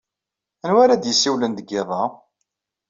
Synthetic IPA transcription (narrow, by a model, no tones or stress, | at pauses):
ənwaɾad̪jəsːiwlənd̪əɡɪðˤɑ